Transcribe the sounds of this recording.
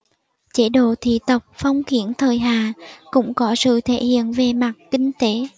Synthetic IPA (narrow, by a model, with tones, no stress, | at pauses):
t͡ɕe˧˦ɗo˧˨t̪ʰḭ˧˨t̪ə˨˩wk͡p̚fə˧wŋ͡mxi˨˦˥ənt̪ʰəː˨˩jɦaː˨kʊ̰˧˥ŋ͡mkɔ˨˦sɨ̰˧˨t̪ʰe˧˥hḭ˧˨ənve˨˩ma˨˩t̚kï˧ŋ̟t̪e˨˦